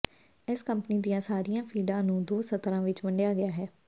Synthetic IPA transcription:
ɪskəmpəniːd̪ijãːsaːɾijãːpʰiːɖãːnũːd̪oːsət̪ɾãːʋɪt͡ʃʋəɳɖejaːɡɪjaːɦɛː

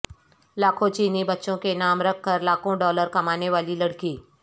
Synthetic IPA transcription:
laːkʰõt͡ʃiːnibɐtːʃõkenaːmɾɐkʰːəɾlaːkʰõɖɔːləɾkɐmaːneʋaːlilɐɽkiː

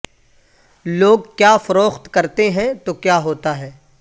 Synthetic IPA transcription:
loːɡkjaːfɐɾoːxt̪kɐɾt̪eɦɛ̃t̪okjaːɦoːt̪aɦɛː

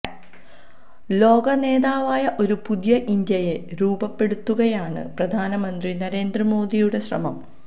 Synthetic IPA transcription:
lo̞ːɡɐne̞ːðaːʋaːjɐʔo̞ɾupud̪jɐʔind̪jɐjeɾuːbɐpːe̞ɽut̪ːuɣɐjaːɳɨ̰prɐd̪ʱaːnɐmɐnd̪rinɐɾe̞ːnd̪rɐmo̞ːd̪ijuɽe̞ɕrɐ̰mɐm

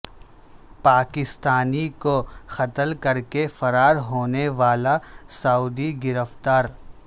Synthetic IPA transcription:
paːkɪst̪aːnikoxɐt̪əlkɐɾkefɐɾaːɾɦoːneʋaːlasauːd̪iɡɪɾəft̪aːɾ

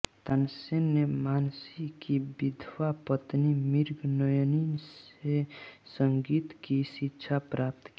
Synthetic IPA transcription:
t̪ənsenːemaːnsikibid̪ʱwapət̪nimiɾɡnəjninsesəŋɡit̪kisitːʃʰapɾʔap̚t̪ki

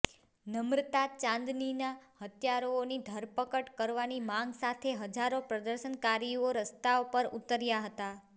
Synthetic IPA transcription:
nəmɾt̪at͡ʃãnd̪ninahət̪jaɾoːnid̪ʱəɾpəkəʈkəɾʋanimãŋɡsat̪ʰeɦəd͡ʒaɾopɾəd̪əɾʃənkaɾioɾəst̪aopəɾut̪ːəɾjaɦət̪a

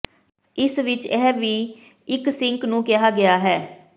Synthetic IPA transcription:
ɪsʋɪt͡ʃɛːʋiː | ɪksɪ̃ŋknũːkɪɦaːɡɪjaːɦɛː

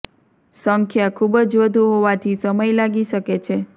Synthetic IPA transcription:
səŋkʰjakʰubəd͡ʒʋəd̪ʱuɦoʋat̪ʰisəməjlaɡiʃəket͡ʃʰe

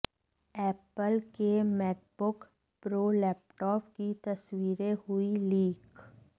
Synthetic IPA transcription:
ɛːpəlkemɛːk̚bʊk | pɾoːlɛːp̚ʈɔːpkit̪ɐswiːɾehʊiliːk

